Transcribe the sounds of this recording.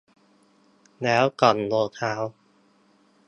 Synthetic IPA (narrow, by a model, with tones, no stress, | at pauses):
lɛː˦˥wkɔ˨˩nloː˧k̪ʰaː˦˥w